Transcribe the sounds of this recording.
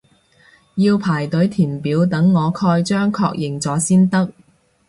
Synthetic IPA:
jiː˧wpʰaː˨˩jt̪ɵ˨˥ɥt̪ʰiː˨˩npiː˨˥wt̪ɐ˨˥ŋːɔː˨˧kʰɔː˧jt͡ʃœː˥ŋkʰɔ̰ː˧k̚jɪ˨˩ŋt͡sɔː˨˥siː˥nt̪ɐ˥k̚

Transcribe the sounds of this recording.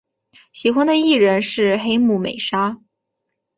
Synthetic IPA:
ɕi˧˥xwa˥nd̪ə˨˧i˥˩ɻə˧˥nʂɻ̩˥˩xe˥ɪmu˨˩mḛ˨˩ɪʂa˥

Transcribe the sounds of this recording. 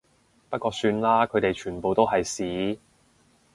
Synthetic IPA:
pɐ˥t̚kɔː˧syː˧nlaː˥kʰɵ˨˧˥t̪e˨jt͡ʃʰyː˨˩npo˨wt̪o˥wɦɐ˨jsiː˨˥

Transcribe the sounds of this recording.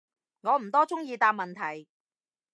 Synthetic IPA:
ŋɔː˨˧m̩˨˩t̪ɔː˥t͡sʊ˥ŋjiː˨˧t̪aː˧p̚mɐ˨nt̪ʰɐ˨˩j

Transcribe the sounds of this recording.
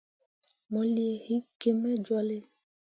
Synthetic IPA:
mɔ˨li˨e˨hi˦ke˨mɛ̃˦d͡ʒwa˦le˦

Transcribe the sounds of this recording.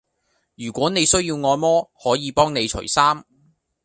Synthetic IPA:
jyː˨˩kʷɔː˨˥ne˨˧jsɵ˥ɥjiː˧wŋɔː˧jmɔː˥hɔː˨˥jiː˨˧pɔː˥ŋne˨˧jt͡ʃʰɵ̰˨˩saː˥m

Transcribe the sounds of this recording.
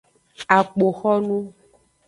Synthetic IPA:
a˨k͡po˨xɔ˦nũ˦

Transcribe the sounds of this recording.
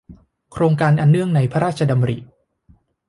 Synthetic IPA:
kʰɾoː˧ŋkaː˧nʔa˨˩nːɯ˥˩əŋna˧jpʰa˦˥ɾaː˥˩t̪̚t͡ɕʰa˧da˧mɾḭ˨˩

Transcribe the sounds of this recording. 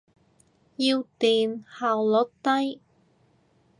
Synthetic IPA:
jiː˧wt̪iː˨nhaː˨wlɔ˨˥t̪ɐ˥j

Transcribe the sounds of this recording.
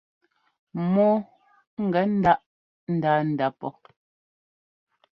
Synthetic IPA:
mɔ˦ | ŋ̩˨ɡɛ˨˦n̩˦da˦ʔ | n̩˦daː˦n̩˨da˨˦pɔ˦

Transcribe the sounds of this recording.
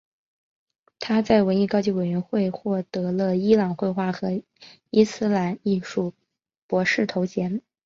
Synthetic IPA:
t̪ʰa˥t͡sa˥˩ɪwə˧˥ni˥˩kɑ˥ʊt͡ɕi˥˩we˨˩ɪɥɛ˧˥nxwe˥˧ɪxwɔ˥˩t̪ɤ˧˥lə˧i˥lɑ˨˩ŋxwe˥˧ɪxwa˥˩xɤ˧˥ | i˥sɹ̩˥la˧˥ni˥˧ʂu˥˩ | pwɔ˧˥ʂɻ̩˥˩t̪ʰo˧˥ʊt͡ɕjɛ˧˥n

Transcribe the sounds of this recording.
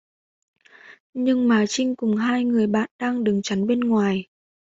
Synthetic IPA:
ɲɨ˧ŋmaː˨˩t͡ɕï˧ŋ̟kʊ˨˩ŋ͡mɦaː˧jŋɨ˨˩əjɓa̰ː˧˨nɗaː˧ŋɗɨ˨˩ŋt͡ɕa˨˦nɓe˧nŋwaː˨˩j

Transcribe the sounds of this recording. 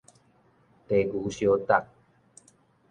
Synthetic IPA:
t̪e˨ɡu˨ɕjo˧˦t̪a˨k̚

